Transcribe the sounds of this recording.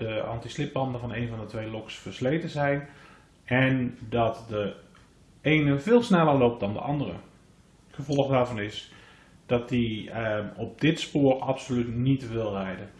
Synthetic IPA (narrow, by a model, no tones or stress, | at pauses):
dəɑ̰ntislɪp̚bɑndəvɑnejnvɑndətʋejlɔksfərslejtəzɛjn | ɛndɑtdə | ejnəveɪːlˠsnɛlˠərlowp̚t̚dɑndə̰ʔɑndərə̰ | χəvɔlˠxdaːɹvɑnɪs | d̥ɑt̚di | ɔp̚dɪtspoːrɑpsolytnitʋɪlˠrɛjdə